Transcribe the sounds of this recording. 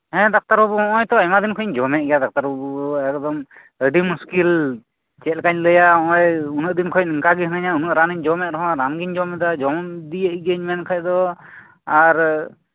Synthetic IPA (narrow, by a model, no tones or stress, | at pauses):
ɦɛ̃d̪ak̚t̪aɾɦubɔɔ̃ʔɔjt̪ɔajmad̪inkʰɔɲd͡ʒɔmɛt̚ɡɛjad̪ak̚t̪aɾɦubɔɛkd̪ɔm | əɖimuskil | t͡ʃɛlkaɲləjaɔɔjunəʔ̚d̪inkʰɔc̚ɯŋkaɡiɦnaɲaunəʔɾaniɲd͡ʒɔmɛʔɾɔɦɔ̃ɾamɡiɲd͡ʒɔmɛd̪ad͡ʒɔmd̪ijəʔ̚ɡəɲmɛnkʰac̚d̪ɔ | aɾ